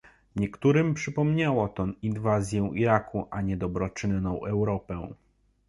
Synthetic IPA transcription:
ɲɛkt̪uɾɘmpʂɘpɔmɲawɔt̪ɔninvazʲjɛ̃w̃ʔiɾakʰuʔaɲɛd̪ɔbɾɔt͡ʂɘnːɔ̃w̃ʔɛwɾɔpɛ̃

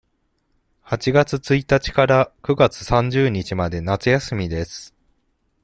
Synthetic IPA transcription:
hat͡ɕiɡat͡sɨt͡sɨit̪at͡ɕi̥kaɾakɯ̟ɡat͡sɨ̥sãɲ̟d͡ʑɨːɲ̟it͡ɕimad̪e̞nat͡sɨjasɨmʲid̪e̞sɨ̥

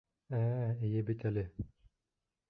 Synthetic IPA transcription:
æijɘbit̪ælɘ

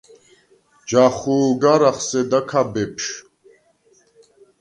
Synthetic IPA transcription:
d͡ʒaχuːɡaɾaχsɛd̪akʰabɛpʰʃ

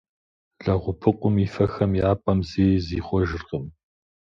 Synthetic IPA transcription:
ɮɐʁʷʊpʰɨqʷʊmiːfɐxɐmjaːpʼɐmziːziːχʷɔʒɪrqəm

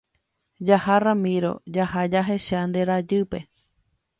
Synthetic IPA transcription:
d͡ʒaharãmĩɾo̞̰d͡ʒahad͡ʒaɦe̞ʃand̪eɾad͡ʒɨpe̞

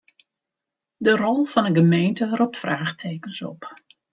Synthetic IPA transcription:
dərɔlˠv̥ɑnəɡəmejntərɔp̚tfraːxtʰeːkənsɔ̰p

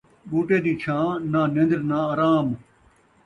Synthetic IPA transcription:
buːʈeːd̪iːt͡ʃʰãːnaːnẽnd̪ɾnaːaːɾaːm

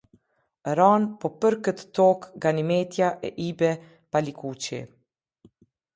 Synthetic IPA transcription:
ɾanpɔpəɾkət̪ːɔkɡanimɛt̪jaʔɛ̰ʔibɛ | palikut͡ɕḭ

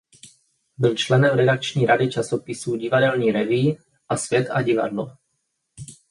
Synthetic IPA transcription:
bɪlt͡ʃlɛnɛmɾɛdak̚t͡ʃɲiːɾadɪt͡ʃasopɪsuːɟɪvadɛlɲiːɾɛviː | ʔasvjɛt̪a̰ɟɪva̰dlo

